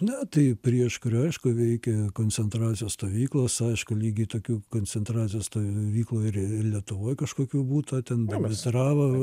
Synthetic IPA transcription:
nʲɛt̪ɐɪpʲɾʲiɛʃkʊɾʲɐɪʃkʊʋʲɛɪkʲɛkoːnʲt͡s̪ʲsʲɛnt̪ɾɑːt͡sʲɪjoːst̪oːʋʲiːklˠoːsɐɪʃkʊlʲiːɡʲɪt̪oːkʲuːkoːnʲt͡s̪ʲɛnt̪ɾɑːt͡sʲɪjoːst̪oːʋʲiːklˠuːɪrɪlʲiɛt̪ʊʋoːjkɐʃkoːkʲuːbuːt̪ɐt̪ʲɛnbʲɐbʲɛt̪ʲɾɑːʋɐ

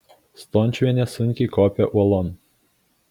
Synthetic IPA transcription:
st̪ɔnʲt͡ʃʲʋʲiɛnʲɛsʊŋʲkʲiːkɔːpʲɛʔuɔlˠɔn

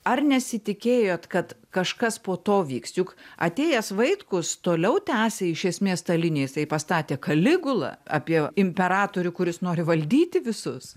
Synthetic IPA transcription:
ɐrnʲɛsʲɪt̪ʲɪkʲeːjoːt̪kɐt̪kɐʃkɐspoːt̪oːʋʲiːksjʊkɐ̰t̪ʲeːjɛsʋɐɪkʊst̪oːlʲɛʊt̪ʲæːsʲeːɪʃʲɛsʲmʲeːst̪ɐlʲɪnʲeːjɪsɐɪpɐst̪ɑːt̪ʲeːkɐlʲɪɡʊlˠɑ̰ɑ̰ːpʲiɛɪmʲpʲɛɾɑːt̪oːɾʲʊkʊɾʲɪsnoːɾʲɪʋɐlʲd̪ʲiːt̪ʲɪʋʲɪsʊs

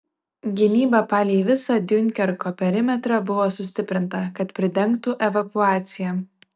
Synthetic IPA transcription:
ɡʲɪnʲiːbɐpɑːlʲiːʋʲɪsɐd̪ʲjʊŋʲˑkʲɛɾkoːpʲɛɾʲɪmʲɛt̪ɾɐbʊʋoːsʊsʲt̪ʲɪpʲɾʲɪnt̪ɐkɐt̪pʲɾʲɪd̪ʲɛŋˑkt̪uʔɛʋɐkʊɑːt̪sʲɪjɛ

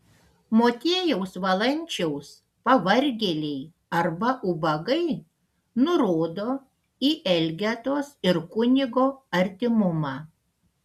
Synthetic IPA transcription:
moːt̪ʲeːjɛʊsʋɐlˠɐnʲt͡ʃʲɛʊs | pɐʋɐɾʲɡʲɛlʲɛɪ | ɐɾbɐʔʊbɐɡɐɪ | nʊɾoːd̪oː | iːʔɛlʲɡʲɛt̪oːsɪɾkʊnʲɪɡoːɐɾʲt̪ʲɪmʊmɑː

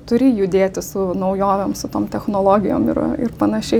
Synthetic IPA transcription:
t̪ʊɾʲɪjʊd̪ʲeːt̪ʲɪssʊnɐʊjoːʋʲɛmsʊt̪oːmt̪ʲɛxnoːlˠoːɡʲɪjo̰ːmɪ̰ɾɪ̰rpɐnɐʃʲɛɪ

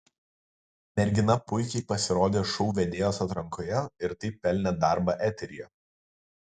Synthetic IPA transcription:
mʲɛɾʲɡʲɪnɐpʊɪkʲɛɪpɐsʲɪɾoːd̪ʲeːʃɔʊʋʲɛd̪ʲeːjoːsɐt̪ɾɐŋkoːjɛɪɾt̪ɐɪpʲɛlʲnʲɛd̪ɑˑɾbɐˑʔæt̪ʲɛɾʲijɛ

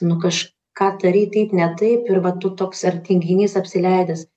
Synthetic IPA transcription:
nʊkɐʃ | kɑːt̪ɐɾʲiːt̪ɐɪpnʲɛt̪ɐɪpɪɾʋɐt̪ʊt̪oːksɐrʲt̪ʲɪŋʲɡʲɪnʲiːsɐpʲsʲɪlʲɛɪd̪ɐs

